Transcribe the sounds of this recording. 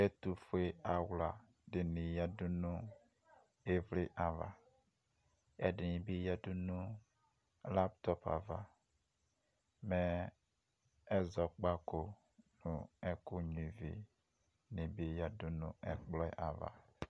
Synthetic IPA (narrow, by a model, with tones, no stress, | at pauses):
ɛ˦tu˨fu˦e˦a˨wla˨ | dɪ˨ni˨ja˦du˦nũ˦ | e˦vle˦ʔa˨va̰˨ | ɛ˦dɪ˨nĩ˨bi˦ja˦du˦nũ˦ | la˦ptɔ˦pa̰˨va˨ | mɛ˦ | ɛ˦zɔ˨k͡pa˦ko˨ | nũ˨ɛ˦kʊ˦ɲ˨i˨vḭ˨ | nĩ˨bi˦ja˨dʊ˦nũ˦ɛ˨k͡plɔ˦ɪ̰˦˨ʔa˨va̰˨